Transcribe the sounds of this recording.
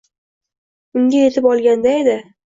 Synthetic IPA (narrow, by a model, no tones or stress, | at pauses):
ʊŋɡʲaje̞t̪ʰɪpɒlˠɡʲand̪ae̞d̪ɪ